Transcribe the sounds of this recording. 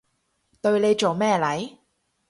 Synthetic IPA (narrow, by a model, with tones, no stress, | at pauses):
t̪ɵ˧ɥle˨˧jt͡ʃo˨wmɛː˥lɐ˨˥j